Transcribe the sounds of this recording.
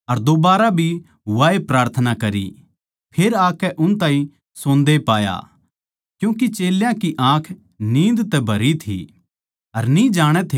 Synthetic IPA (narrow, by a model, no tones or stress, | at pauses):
ɐɾd̪obaːɾabʱi | ʋaːepɾaːɾt̪ʰənakɐɾḭ | pʰeːɾaːkɛʔʊnt̪aːĩ | sõːnd̪epaːja̰ | kjũːk̬it͡ʃeːljãkiʔãːkʰ | nĩːnd̪t̪ɛbʱɐɾit̪ʰḭ | ɐɾnĩd͡ʒaːɽ̃ɛt̪ʰe